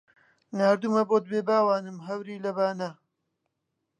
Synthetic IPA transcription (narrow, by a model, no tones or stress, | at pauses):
naːɾd̪umɐboːt̪̚beːbaːwaːnɨmɦɐwɾiːlɐβaːnɐ